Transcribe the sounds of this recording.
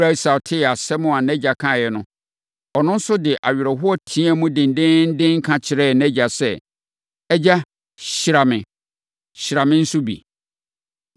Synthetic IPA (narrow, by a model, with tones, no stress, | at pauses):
ɾa˦i˨sa˨tʰɪ˦˨a˨sɛ˦mʊ̃˨a˨nɛ̃˦d͡ʑa˨kʰã˦˨jɛ˨nʊ̃˦ | ɔ˨nʊ̃˦n̩˦sʊ˦dɪ˨ʔa̰˨ɥɾɔ˨ɦʊ˦ɔ˦tʰĩ˦a˦mũ˦dɪ̃˨n̩˨˦dɪ̃˦n̩˦dɪ̃˦ŋ̩˦kʰã˨t͡ɕʰɪ˨ɾɛ˦˨nɛ̃˦d͡ʑa˨sɛ˦ | ɛ˦d͡ʑa˦ | ɕɪ˨ɾa˨mɪ̃˨ | ɕɪ˨ɾa˨mɪ̃˦n̩˦sʊ˦bḭ˨